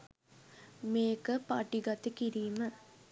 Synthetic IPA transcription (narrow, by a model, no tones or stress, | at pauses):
meːkəpaʈiɡat̪ekiɾiːmə